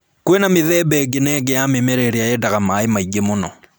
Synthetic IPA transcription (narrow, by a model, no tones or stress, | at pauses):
kwenameðɛːbɛɡenɛɡɛjamemɛɾɛɾeajɛdaɣamaemaiɡemonɔ